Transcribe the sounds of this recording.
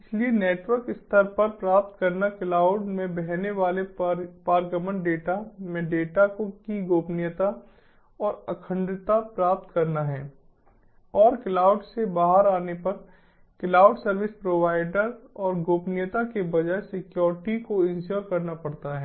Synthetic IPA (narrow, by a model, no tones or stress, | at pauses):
ɪslieneːʈʋəɾkɪst̪ʰəɾpɐɾpɾaːp̚t̪kɐɾnaklaːʊɖmẽbɛɦneʋaːlepaːɾɡəmənɖeːʈamẽɖeːʈakokiɡoːpnɪjət̪a | ɔːɾɐkʰə̃ɳɖ̪ɾɪt̪apɾaːp̚t̪kɐɾnaɦɛː | ɔːɾklaːʊɖsebaːɦəɾaːnepɐɾ | klaːʊɖsɐɾʋɪspɾoːʋaːɪɖəɾɔːɾɡoːpnɪjət̪akebɐd͡ʒaesɪkjɔːɾʈikoɪ̃nʃoːɾkɐɾnapɐɽt̪aɦɛː